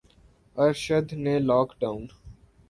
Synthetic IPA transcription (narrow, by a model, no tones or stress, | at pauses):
əɾʃəd̪ʱnelɔːkɖaːʊ̃n